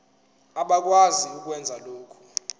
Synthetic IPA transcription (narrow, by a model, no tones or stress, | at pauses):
aɓak̬ʼwaziuk̬ʼwɛnd͡zʱaloːkʰu̥